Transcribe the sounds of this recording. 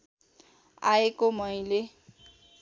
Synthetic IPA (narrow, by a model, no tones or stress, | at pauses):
aekomʌjle